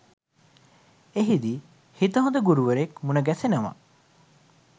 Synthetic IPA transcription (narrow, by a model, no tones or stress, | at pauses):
eɦid̪i | hit̪ɐɦod̪ɐɡuɾuʋɐɾekmunɐɡɛsenɐmɐ̰